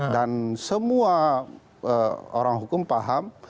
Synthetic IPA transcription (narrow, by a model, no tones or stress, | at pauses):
dansəmua | əoɾaŋɦukʊmpaɦam